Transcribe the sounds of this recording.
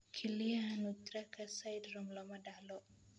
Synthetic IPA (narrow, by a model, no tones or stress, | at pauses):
kʰilianut̪ɾakasajdɾɔmlɔmadalɔ